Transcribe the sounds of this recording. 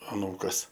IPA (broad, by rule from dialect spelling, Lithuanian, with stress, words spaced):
ɐˈnuːkɐs